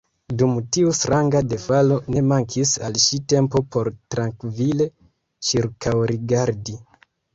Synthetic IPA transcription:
dumtiustɾʔaŋɡade̞falo̞ne̞maŋkʰisalʃite̞mpo̞po̞ɾtɾaŋkvile̞ | t͡ʃiɾkawɾiɡaɾdi

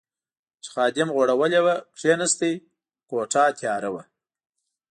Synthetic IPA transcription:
t͡ʃxɑːd̪ɪmɣoɽawəlewakʂenast̪e | koʈ͡ʂɑt̪ʰjɑɾawa

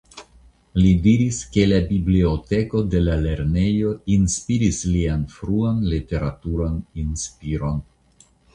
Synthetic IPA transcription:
lidiɾiske̞labibliote̞ko̞de̞lale̞ɾne̞jo̞inspiɾislianfɾuanlite̞ɾatuɾaninspiɾo̞n

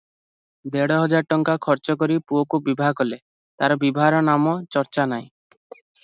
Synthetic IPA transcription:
d̪eɽɔɦɔd͡ʒaɾʈɔŋkakʰɔɾt͡ʃɔk̬ɔɾipuokubibʱaɡɔle | t̪aɾɔbibʱaɾɔnamɔt͡ʃɔɾt͡ʃanaj̃

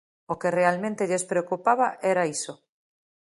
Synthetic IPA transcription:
okerealmẽnt̪eʎespɾeokupaβaʔeɾaiso

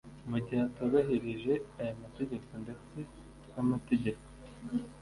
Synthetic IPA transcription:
muɟihatoβaɦiɾiʒe̞ajamate̞ɟe̞ko̞nde̞t͡se̞ | jamate̞ɟe̞ko̞̥

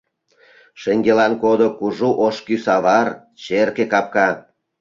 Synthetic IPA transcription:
ʃeŋɡelɑnkod̪okuʒuʔoʃkysɑβɑr | t͡ɕerkekɑp̚kɑ

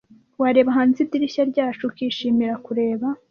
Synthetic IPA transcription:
waɾe̞ːβaɦaːnzibdiɾiçaɾɟaːt͡ʃukiʃiːmiɾakuɾe̞ːβa

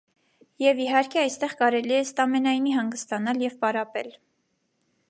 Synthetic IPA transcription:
jɛviɦɑɾkʰɛɑjst̪ɛʁkɑɾɛliɛəst̪ɑmɛnɑjniɦɑŋɡəst̪ɑnɑljɛvpɑɾɑpɛ̰l

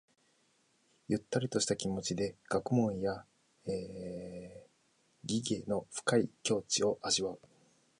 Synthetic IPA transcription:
jɯ̟t̪ːaɾʲit̪o̞ɕi̥t̪akʲimo̞t͡ɕid̪e̞ɡ̥akɯ̟mõ̞ɰ̃ja | eː | ɡʲiɡe̞ːno̞ɸɯ̟̥kaikʲo̞ːt͡ɕio̞ʔaʑiβaɯ̟

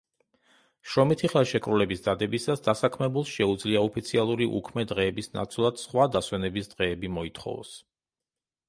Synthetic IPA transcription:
ʃɾɔmit̪ʰiχɛlˠʃɛkʼɾulɛbisd̪ad̪ɛbisasd̪asakʰmɛbulˠʃɛud̪zliaɔpʰit̪sʰialˠuɾiʔṵkʰmɛd̪ʁɛːbisna̰t̪sʰlˠad̪̥sχwad̪aswɛnɛbisd̪̥ʁɛːbimɔit̪ʰχɔ̰vɔ̰s

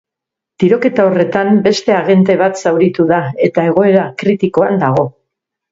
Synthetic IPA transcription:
t̪iɾo̞ke̞t̪ao̞re̞t̪ambe̞st̪e̞aɣe̞nt̪e̞β̞at̪sawɾit̪uðae̞t̪ae̞ɣ̞o̞e̞ɾakɾit̪ikoand̪aɣ̞o̞

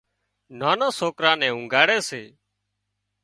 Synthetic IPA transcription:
naːnãːsoːkɾãːnɛ̃ːʊ̃ŋɡaːɽɛːseː

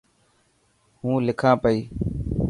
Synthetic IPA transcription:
ɦũːlɪkʰãːpəiː

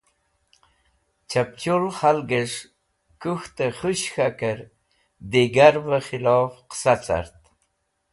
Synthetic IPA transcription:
t͡ʃap̚t͡ɕulχalɡəʂ | kuxt̪əχuɕxakəɾ | d̪eɡaɾvəχilɑfqə̥sat͡sa̰ɾt̪

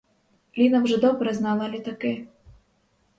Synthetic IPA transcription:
lʲinɐwʐɛd̪ɔbɾɛznalˠalʲit̪akɪ

